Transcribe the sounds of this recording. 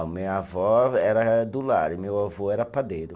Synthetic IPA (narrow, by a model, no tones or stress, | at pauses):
meɐavɔɛɾɐd̪ulaɾɪmewavoɛɾɐpad̪ejɾʊ